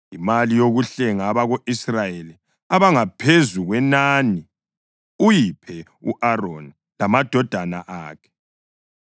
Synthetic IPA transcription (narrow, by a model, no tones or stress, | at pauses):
imalijoɣuɬɛŋaβaɣoʔisrajeli | aβaŋapʰezuɣwɛnani | ujipʰɛ | ṵʔaron | lamad̥ʱɔd̥ʱana̰ʔaːkʰɛ̥